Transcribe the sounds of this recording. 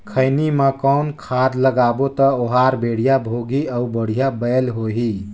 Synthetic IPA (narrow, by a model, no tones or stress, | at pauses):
kʰəɪnimẽkəʊnkʰad̪ləɡabot̪əoɦaɾbeɽ̤ijabʱoɡiəubəɽ̤ijabəjlɦoɦi